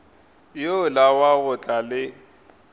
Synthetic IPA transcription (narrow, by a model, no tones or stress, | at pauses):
jolawaɣʊt͡ɬʼalɪ